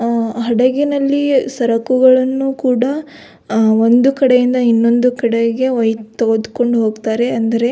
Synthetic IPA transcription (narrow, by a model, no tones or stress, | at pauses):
ɦɐɽɐɡinɐlːisɐɾɐkuɡɐɭɐnːukuːɽɐ | o̞nd̪ukɐɽe̞jind̪ɐinːo̞nd̪ukɐɽeɡe̞ʋɐjt̪ːɐɡod̪uko̞ɳɖuɦo̞ːɡt̪aːɾe̞ɐnd̪ɐɾe̞